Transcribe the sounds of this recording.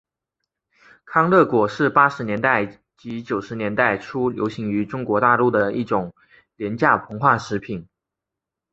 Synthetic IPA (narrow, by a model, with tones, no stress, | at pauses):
kʰɑ˥ŋlɤ˥˩kwɔ˨˩ʂɻ̩˥˩pa˥ʂɻ̩˧˥njɛ˧˥nt̪a˥˩ɪ | t͡ɕi˧˥t͡ɕjo˨˩ʊʂɻ̩˧˥njɛ˧˥nt̪a˥˩ɪʈ͡ʂʰu˥ljo̰˧˥ʊɕi˧˥ŋy˧˥ʈ͡ʂʊ˥ŋkwɔ˧˥t̪a˥˧lu˥˩d̪ə˩i˥˩ʈ͡ʂʊ˨˩˦ŋ | ljɛ˧˥nt͡ɕja˥˩pʰɤ˧˥ŋxwa˥˩ʂɻ̩˧˥pʰi˨˩˦n